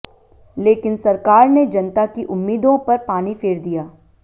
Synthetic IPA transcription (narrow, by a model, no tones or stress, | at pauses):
leːkɪnsɐɾkaːɾned͡ʒɐnt̪akiʔʊmːiːd̪õpɐɾpaːnifʰɪːɾd̪ijaː